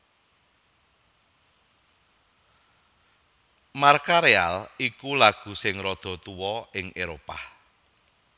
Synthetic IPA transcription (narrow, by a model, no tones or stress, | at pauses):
markaɾea̰likulaɡ̥ṳsɪŋrɔd̪̥ɔ̤t̪uwɔɪŋeɾopa̰